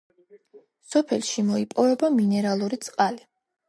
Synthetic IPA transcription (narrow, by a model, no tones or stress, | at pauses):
sɔpʰɛlʃimɔipʼɔvɛbaminɛɾalˠuɾit̪sʼqʼali